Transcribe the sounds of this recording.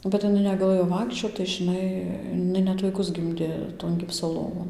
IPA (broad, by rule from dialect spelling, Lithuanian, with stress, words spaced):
bʲɛt ɪˈnɐɪ nʲɛɡɐˈlˠɘjoː ˈʋɐɪkʃʲt͡ʃʲoːt tɐɪ ʒʲɪˈnɐɪ ɪˈnɐɪ ˈnʲɛt ʋɐɪˈkʊs ˈɡʲɪmʲdʲeː toːn ˈɡʲɪpsoː ˈlˠoːʋoːn